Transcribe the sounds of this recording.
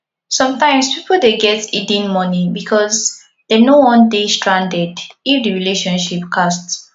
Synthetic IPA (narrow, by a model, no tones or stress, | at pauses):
sɔ̃mtãɪ̃mspipəldeɡɛtidĩnmɔnibikʰɔz | d̥ɛnowɔ̃ndestɹãndɛdifdəɹileʃɔ̃nʃipkʰast